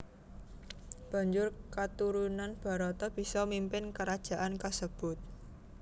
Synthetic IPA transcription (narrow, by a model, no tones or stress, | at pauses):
b̥ä̤ɲd͡ʒʊrkat̪uɾunanb̥a̤ɾɔt̪ɔb̥i̤sɔmimpɪnkəɾad̥ʒ̥a̤ʔankəsəb̥ʊ̤t̪̚